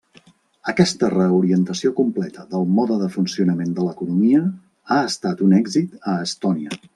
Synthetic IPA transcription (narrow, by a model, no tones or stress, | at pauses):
əkɛst̪ərəuɾiənt̪əsiokumplɛt̪əðəlˠmɔðəðəfunsiunəmend̪ələkunumiə | aəst̪at̪unɛɡzit̪əːst̪ɔniə